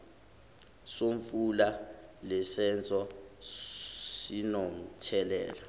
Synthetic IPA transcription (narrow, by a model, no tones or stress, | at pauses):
soɱfulalɛsɛnt͡sʼɔ | sinɔm̩tʰɛlɛ̰ːla